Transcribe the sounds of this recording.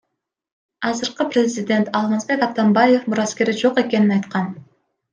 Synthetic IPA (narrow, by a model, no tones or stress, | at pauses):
ɑzɯɾqɯprʲɪzʲɪd̪ʲe̞nt̪ɑlˠmazbe̞kɑt̪ambaje̞fmuɾaskʲe̞ɾid͡ʒo̞qe̞ke̞ninɑjt̪qɑn